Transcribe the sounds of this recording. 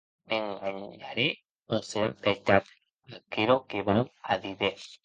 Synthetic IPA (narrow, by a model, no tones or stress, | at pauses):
eŋɡaɲaɾe | oseɾbet̪at̪ | akeɾokeβawaðiðe